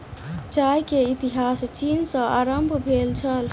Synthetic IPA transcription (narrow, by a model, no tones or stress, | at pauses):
t͡ʃajkeit̪iɦast͡ʃinsə̃aɾəmbʱbʱelt͡ʃʰəl